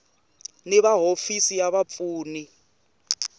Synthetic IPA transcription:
niβaɦofisijaβap̪fuːni

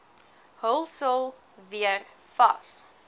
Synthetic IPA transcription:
həlˠsəlˠ | viər | fɐ̰s

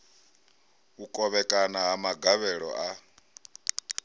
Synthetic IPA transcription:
ukʼɔβɛkʼanaɦamaɡaβɛɺɔ̰ʔa

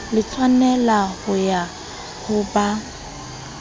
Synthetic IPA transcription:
lɪt͡sʰʼwanɛlahʊja | hʊba

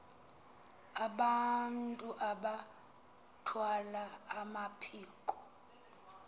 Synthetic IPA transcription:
aɓantʼuʔaɓa | tʰwalaːmapʰiːkʼɔ̥

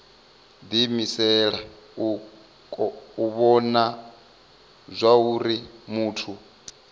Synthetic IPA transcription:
d̪imisɛɺa | u | kʼɔuβɔna | zʷauɾimuːtʰu

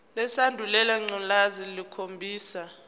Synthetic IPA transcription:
lɛsandʱulɛlaŋ͡ǀɔnlazilikʰombʱiːsa

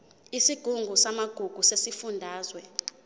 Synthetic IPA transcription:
isiɡ̥ʱuŋɡʱusamaɡ̥ʱuɡ̥ʱusesifundʱaːzwɛ

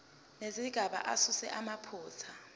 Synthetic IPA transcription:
neziɡ̥ʱaɓa̰ʔasusɛ̰ʔamapʰuːt͡sʰa

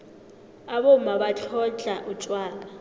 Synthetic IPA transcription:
aβomabat͡ɬʰɔt͡ɬʼaʔut͡ʃʼwaːla

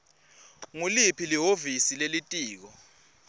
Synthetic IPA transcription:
ŋulipʰiliɦovisilelitʼiːk̬ɔ

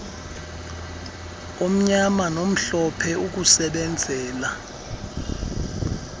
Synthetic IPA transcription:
om̩ɲamanom̩ɬɔpʰɛuk̬usɛɓɛnd͡zʱɛːla

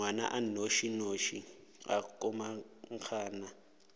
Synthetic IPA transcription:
wana̰ʔanoʃinoʃi | a̰kʼɔmaŋkʰaːna

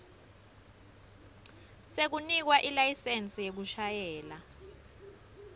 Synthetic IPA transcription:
sek̬unik̬waʔilajisent͡sʼijek̬uʃajɛːla

